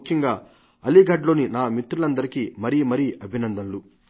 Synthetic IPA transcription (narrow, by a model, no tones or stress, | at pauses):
kʰjɐŋɡaː | ɐliɡʱɐːɖlo̞ːninaːmit̪ɾulɐnd̪ɐɾikimɐɾimɐɾiɐbʱinɐnd̪ɐmlu